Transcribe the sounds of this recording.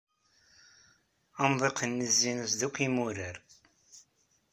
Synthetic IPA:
ɑmðˤeqənːəzːinəsðukʷːimuɾəɾ

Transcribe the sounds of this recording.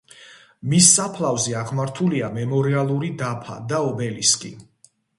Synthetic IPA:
misːapʰlˠavziaʁmaɾt̪ʰuliamɛmɔɾialˠuɾid̪apʰa̰d̪aɔbɛliskʼḭ

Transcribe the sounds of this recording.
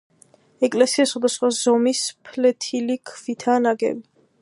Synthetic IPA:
ɛkʼlɛsiaswad̪asχwazɔmispʰlɛt̪ʰilikʰvit̪ʰanaɡɛ̰vi

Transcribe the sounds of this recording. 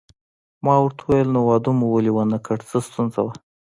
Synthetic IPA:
mɑwaɾt̪ʰauwajəlnowɑd̪umuwəliwanakʰaɽt͡səst̪unzawa

